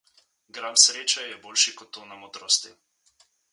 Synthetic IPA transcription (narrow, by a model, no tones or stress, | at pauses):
ɡɾansɾeːt͡ʃajjɛboːlʃikɔt̪ːonamɔd̪ɾoːst̪i